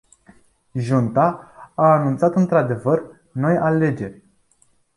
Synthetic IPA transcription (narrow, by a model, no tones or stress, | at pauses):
ʒunt̪aː | nunt̪sat̪ɨnt̪ɾad̪e̞vər | no̞jale̞d͡ʒe̞rʲ